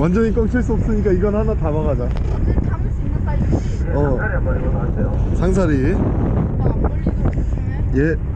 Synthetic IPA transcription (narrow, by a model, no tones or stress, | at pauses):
wand͡ʑʌɲik͈ʌŋt͡ɕʰiɭs͈uʌp̚s͈ɯɲik͈aiɡʌnhanatamaɡad͡ʑa | ʌ | asejosʰaŋs̬ʰaɾi | je̞